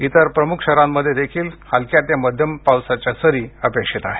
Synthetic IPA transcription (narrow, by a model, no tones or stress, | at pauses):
it̪əɾpɾəmukʰɕəɾamːəd̪ʱːjed̪ekʰiːlhalkjat̪jaməd̪ʱjəmpawsat͡ɕjasəɾiːəpekʂet̪aɦe